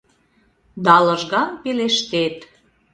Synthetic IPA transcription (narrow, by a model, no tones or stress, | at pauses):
d̪ɑləʒɣɑnpeleʃt̪et̪